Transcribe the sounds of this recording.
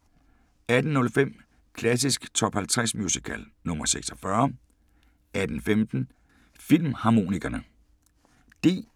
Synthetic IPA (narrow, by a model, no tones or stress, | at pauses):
æd̥n̩nɔ̽lfem̰ | kʰlæs̬isɡ̥t͡sʰɒ̽b̥hælt͡sʰʁasmjusikʰæ̰l | nɔ̽mɐseɡ̥sɒfɶɐ | æd̥n̩femd̥n̩ | fil̰mhɑ̈mo̝̰ːniɡ̥ɐnə | d̥e̝